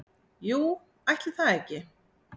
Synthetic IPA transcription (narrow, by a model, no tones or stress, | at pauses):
juː | ajht̪lɪθaðɛhcːɪ